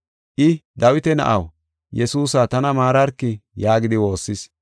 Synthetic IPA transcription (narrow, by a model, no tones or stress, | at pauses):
ʔɪd̪ɐwɪt̪ɛnɐ̰ʔɐw | jɛsuːsaːt̪ɐnɐmaːɾɐɾkːɪjaːɡɪd̪ɪwo̞ːsːɪs